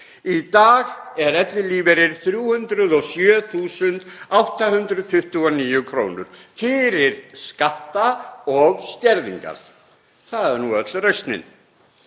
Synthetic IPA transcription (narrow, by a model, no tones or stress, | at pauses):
it̪aːɣɛɾɛt̪lɪliːvɛɾɪɾ̥θɾjuːhʏnt̪ɾʏðɔɣsjœːθuːsʏnt̪awht̪ahʏnt̪ɾʏðt̪ʰʏht̪ʏɔniːjʏkʰɾoːwnʏ̰ɾ̥fɪɾɪɾ̥skaht̪aɔɣst̪jɛɾðḭŋka̰ɾ̥ | θaðɛɾnuœt̪lrœɥst̪nɪ̰n